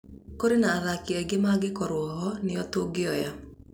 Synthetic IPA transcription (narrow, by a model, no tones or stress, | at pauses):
koɾenaːðakeɛɡemaɡekɔɾwɔɦɔneɔtoɡeɔja